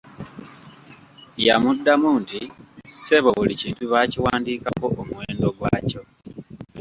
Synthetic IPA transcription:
ja̰mudːamuntise̞βo̞βuliciːntuβaciwaːndiːkako̞ʔomwe̞ːndo̞ɡwaːco̞

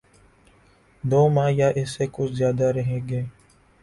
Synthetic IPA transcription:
d̪oːmãːjaːʔɪsːekʊt͡ʃʰzjaːd̪aɾəɦeɡeː

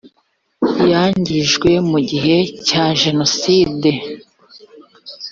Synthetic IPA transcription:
jaːɲɟiʒɡwe̞muɟiɦe̞caʒe̞no̞siːde̞

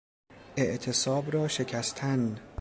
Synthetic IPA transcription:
ʔe̞ʔt̪ʰe̞sɒːbɾɒːʃe̞cʰæst̪ʰæn

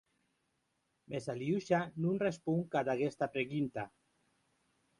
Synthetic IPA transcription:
mʔesaliuʃanunrespuŋkad̪aɣest̪apɾeɣunt̪a

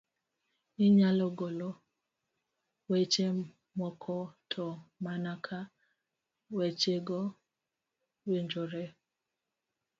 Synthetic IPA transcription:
ɪɲalɔɡolɔ | wet͡ʃe | mɔkʰɔtʰɔmanakʰa | wet͡ʃeɡɔ | weɲd͡ʒoɾe

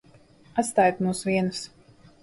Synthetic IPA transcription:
at̪st̪aːjt̪muːsvʲiɛnus

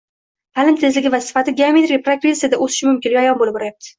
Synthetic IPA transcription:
pʰalɪmt̪ʰe̞zlɪɡʲɪvasɪ̥fat̪ɪɡʲeamet̪ɾipɾakɾesijad̪aʔosɪʃɪmʊmkʲɪnjɒjɒnbolɪpbɒɾajap̚t̪ʰɪ̥

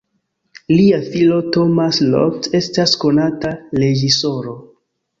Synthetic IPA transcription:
liafilo̞to̞maslo̰kte̞stasko̞natale̞ɡiso̞ɾo̞

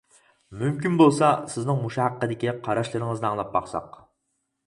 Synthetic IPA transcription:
mymkʲinbolˠsɑsɪznɪŋmuʃɑhæqːəd̪ɪkʲiqʰɑɾɑʃlˠɨɾɪŋəznɨɑŋlˠɑp̚bɑχsɑ̰q

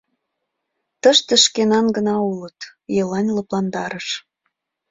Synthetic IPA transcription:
t̪əʃt̪ə̆ʃkenɑnɡənɑulət̪jəlɑnʲləplɑnd̪ɑɾəʃ

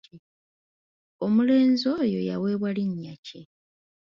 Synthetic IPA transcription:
omule̞ːnzo̞ːjo̞̰jawe̞ːβwaliɲːace

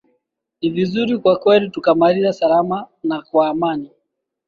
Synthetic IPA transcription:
nivizuɾikwakwɛlitukamaɾiasalamanakwaːmani

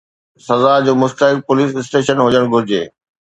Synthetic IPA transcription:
sɐzad͡ʑoːmʊst̪əɦɪk̚pʊliːsɪsʈeːʃənɦʊd͡ʑəɽ̃ɡʱʊɾɪd͡ʑḛː

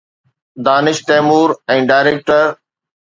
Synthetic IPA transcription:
d̪aːnɪʃt̪ɛːmuːɾɛ̃ːɖaːɪɾeːk̚ʈəɾ

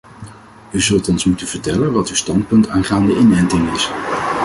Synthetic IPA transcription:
yzɵlˠtɔnsmutənv̥əɹtɛlənʋɑtywstɑnt̚pɵntaːnχaːndəɪnɛntɪŋɪs

